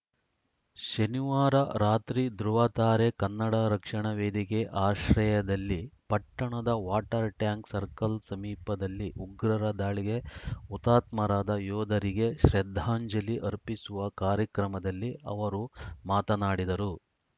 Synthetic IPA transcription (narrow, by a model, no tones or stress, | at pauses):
ʃɐniʋaːɾɐɾaːt̪ɾid̪ɾuʋɐt̪aːɾekɐnːɐɽɐɾɐkʂɐɳɐʋeːd̪ikeʔaːʃɾɐjɐd̪ɐlːipɐʈːɐɳɐd̪ɐʋaːʈɐɾʈjaːŋksɐɾkɐlsɐmiːpɐd̪ɐlːiʔuɡɾɐɾɐd̪aːɭiɡe̞ut̪aːt̪mɐɾaːd̪ɐjɔːd̪ɐɾiɡe̞ʃɾɛd̪ʱːaːɲd͡ʒɐliʔɐɾpisuʋɐkaːɾjɐkɾɐmɐd̪ɐlːiɐ̰ʋɐɾumaːt̪ɐnaːɽid̪ɐɾu